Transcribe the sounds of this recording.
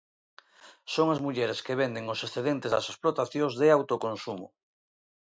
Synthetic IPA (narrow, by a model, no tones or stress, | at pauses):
soŋazmuʎeɾeskeβend̪eŋosesθeðẽnt̪ezða̰sesplot̪aθjõŋzðeawt̪okõnsumo̰